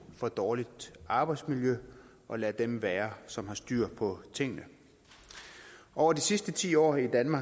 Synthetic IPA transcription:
fɒ̽d̥ɒːlid̥ɑ̈ːb̥ɑ̈ɪd̥smiljø | ʔɒ̽læd̥emʋæːɐsɒ̽mhɑ̈sd̥yɐ̰pʰɒ̽t͡sʰe̝ŋ̰nə | ʔɒʊɐd̥isisd̥ət͡sʰḭːɒ̰ːid̥ænmɑ̈ː

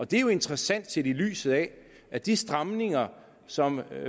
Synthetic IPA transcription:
ɒ̽d̥e̝æjo̝e̝nd̥ʁɐsæn̰d̥̚t͡sʰe̝dily̰ːsð̞̩ˠɛ | ʔæd̥isd̥ʁɑmne̝ŋɐ | sɒ̽m

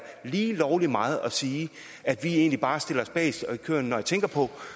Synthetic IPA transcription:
liːlɒʊlimɑ̈ːð̞̩ˠɒ̽siː | æd̥ʋie̝ːnlib̥ɑ̈ːsd̥e̝l̰ɐɒ̽sb̥ɛ̰ːsikʰø̰ɐnːɒjät͡sʰeŋɡ̥ɐpʰɒ̽

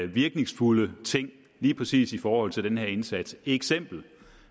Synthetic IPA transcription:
ʋiɐɡ̥ne̝ŋsfulət͡sʰe̝ŋ̰ | liːpʰʁɛsḭːsifɒːhɒ̽l̰t͡sʰe̝ld̥enheɐ̰e̝nsæd̥seɡ̥sem̰b̥l̩

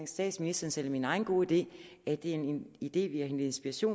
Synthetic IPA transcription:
ŋsd̥ɛ̰ːd̥sminisd̥ɐːnsel̰ɒminɑ̈ɪn̩ɡ̥o̝̰ːid̥e̝̰ː | æd̥e̝æenid̥e̝̰ːʋiæhend̥ˠe̝nsb̥iʁɐɕo̝̰ː

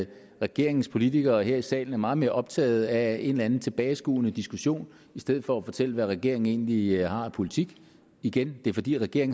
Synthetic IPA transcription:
ʁɛɡ̥e̝ɐ̰e̝ŋn̩spʰo̝lit͡sʰiɡ̥ɐɦeɐisɛ̰ːln̩æɐmɑ̈ːð̩ˠme̝ːɐʔɒ̽b̥t͡sʰɛ̰ːð̞̩ˠæe̝nlænð̩ˠt͡sʰe̝b̥ɛːɪsɡ̥ṵːnəd̥isɡ̥uɕo̝̰ːn | isd̥eð̰̩ˠfɒ̽æfɒ̽t͡sʰel̰əʋæʁɛɡ̥e̝ɐ̰e̝ŋe̝̰ːnlihɑ̈æpʰo̝lit͡sʰiɡ̥ | iɡ̥end̥e̝æɐfɒ̽d̥ḭːʁɛɡ̥e̝ɐeŋ

